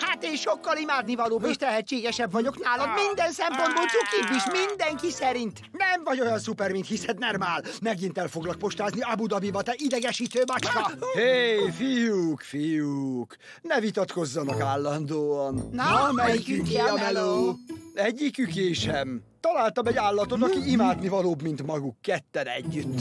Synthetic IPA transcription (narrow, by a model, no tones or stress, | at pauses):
hat̪eːnʃo̞kːɒlimaːd̪nivɒloːbeːʃt̪ɛɦɛt͡ʃːeːɡɛʃɛbvɒɟo̞knaːlɒd̪mind̪ɛnsɛmpo̞nd̪boːlt̪sukibːiʃmind̪ɛŋkisɛɾint̪nɛmvɒɟo̞jɒnsupɛrmint̪hisɛd̪nɛrmaːlmɛɡint̪ɛlfo̞ɡlɒk̚po̞ʃt̪aːzniɒbud̪ɒbivɒt̪ɛʔid̪ɛɡɛʃiːt̪øːmɒt͡ʃkɒhejfijukfijuk | nɛvit̪ɒt̪ko̞zːɒnɒkaːlːɒnd̪oːɒnɒmɛjikyŋkiɒɛlo | ɛɟːikykeːʃɛm | t̪ɒlaːlt̪ɒmɛɟaːlːɒt̪ot̪ɒkiimaːd̪nivɒloːbmint̪mɒɡukːɛt̪ːɛnɛ̰ɟːyt̪ː